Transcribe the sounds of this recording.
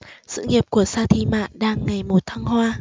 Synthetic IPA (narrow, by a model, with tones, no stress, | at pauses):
sɨ̰˧˨ŋi˨˩əp̚ku˧˩əsaː˧t̪ʰi˧ma̰ː˧˨nɗaː˧ŋːa˨˩jmo˨˩t̚t̪ʰa˧ŋhwaː˧